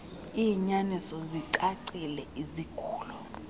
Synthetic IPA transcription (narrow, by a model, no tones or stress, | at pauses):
iɲanisɔziǀaǀilɛizikʰu̥ːlɔ